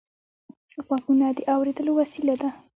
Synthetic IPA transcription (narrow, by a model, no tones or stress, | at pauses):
əɣwakunad̪əʔawɾed̪əlowasilad̪a